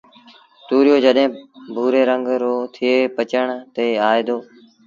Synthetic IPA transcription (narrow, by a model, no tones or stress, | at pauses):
t̪uːɾɪjoːd͡ʒəɗɦẽːbʱuːɾeːɾəŋɡɾoːt̪ʰɪeːpət͡ʃəɳt̪eːaːeːd̪oː